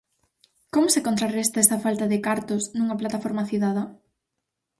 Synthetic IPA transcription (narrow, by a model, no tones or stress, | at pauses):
komʊsekont̪ɾarɛst̪aest̪ɐfalt̪aðɪkaɾt̪ʊsnuŋaplat̪afoɾmaθiðaðɐ